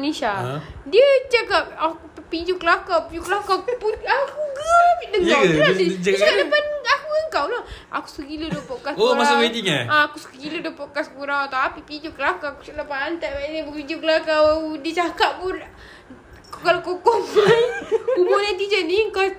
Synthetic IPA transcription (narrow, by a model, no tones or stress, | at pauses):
nesadiət͡ʃakap̚akupid͡ʒukəlakawpid͡ʒukəlakakupunakuɡapidəŋlaiət͡ʃakadəpanakuəŋkawlaha̰ku̥səɡilədopɔʔkasoɾmasaabed̪iŋaãːkuskəɡilədopɔʔkaskuɾawat̪awapipid͡ʒukəlakaːku̥t͡ʃalapaant̪aʔadibupid͡ʒukəlakadiət͡ʃakaʔpun | kukalakokɔbakubonant̪id͡ʒəniəŋka